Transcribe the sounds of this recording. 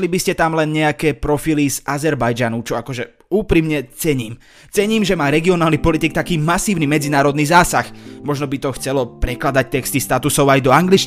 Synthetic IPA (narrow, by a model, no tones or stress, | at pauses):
libiscɛt̪amlɛnɲɛakɛːpɾɔfilizazɛɾbajd͡ʒanut͡ʃɔakɔʒɛ | uːpɾimɲɛt͡sɛɲiːm | t͡sɛɲiːmʒɛmaːɾɛɡiɔnaːlnipɔlit̪ik̚t̪akiːmasiːʊnimɛd͡zinaːɾɔd̪niːzaːsaxmɔʒnɔbit̪ɔxt͡sɛlɔpɾɛklad̪ac̚t̪ɛkst̪ist̪at̪usɔʊajd̪ɔaŋɡlit͡ʃ